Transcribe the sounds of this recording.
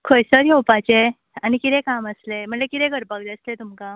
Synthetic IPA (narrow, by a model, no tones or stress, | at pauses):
kʰojsəɾjowpat͡ɕe | añikit̪ẽkaməslem̤əɳlekit̪ẽɡʱəɾpak̚d͡zeəslet̪umka